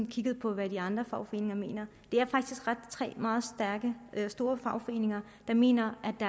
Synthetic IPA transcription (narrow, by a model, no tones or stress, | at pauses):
nkʰiɡ̥əð̞̩ˠpʰɒ̽ʋæd̥iɑ̈nd̥ʁɐfɑ̈ʊfɒe̝̰ːne̝ŋɐme̝̰ːnɐ | d̥e̝æɐfɑ̈ɡ̥d̥isɡ̥ʁad̥t͡sʰʁɛ̰ːmɑ̈ːð̩ˠsd̥æɐɡ̥əsd̥o̝ːɐfɑ̈ʊfɒ̽e̝̰ːne̝ŋɐ | d̥ɑ̈me̝̰ːnɐʔæd̥ɑ